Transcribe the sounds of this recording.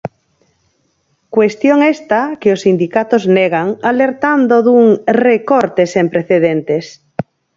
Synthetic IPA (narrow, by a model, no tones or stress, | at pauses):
kwest̪joŋest̪akɪosːind̪ikat̪ozneɣaŋaleɾt̪and̪oðuŋrekoɾt̪esempɾeθeðent̪es